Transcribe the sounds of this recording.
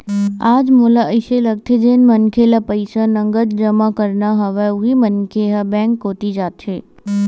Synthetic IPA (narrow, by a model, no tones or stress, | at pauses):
ad͡ʒmolaʔəjʃeləɡ̚t̪ʰed͡ʒenmənkʰelapəjsanəŋɡəd̪̚d͡ʒəmãkəɾnaɦəʋauɦimənkʰeɦabɛ̃ŋkːot̪id͡ʒat̪ʰʃe